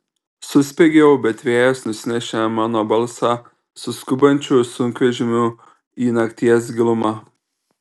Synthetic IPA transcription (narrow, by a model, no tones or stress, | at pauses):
sʊsʲpʲeɡʲɛwbʲɛt̪ʲʋʲɛːjɛsnʊsʲnʲɛʃʲɛmɐnɔbɐlˠsɐ | sʊskʊbɐnʲt͡ʃʲusʊŋkʋʲɛʒʲɪmʲʊ | iːnɐkt̪ʲiɛsɡʲɪlˠʊma